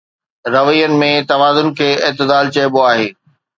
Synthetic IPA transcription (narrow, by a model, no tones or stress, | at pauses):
ɾɐʋijənɪ̆mẽt̪ɐʋaːzʊnɪ̆kʰeːɪːt̪ɪd̪aːlt͡ɕɐɪboaːɦeː